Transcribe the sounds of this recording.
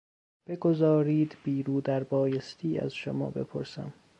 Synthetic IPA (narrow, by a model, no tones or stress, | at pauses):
b̥eɡo̞zɒːɾiːd̪biːɾuːd̪æɾbɒːjest̪ʰiːæ̰z̥ʃomɒ̰ːbe̞̰pʰoɾsæ̰m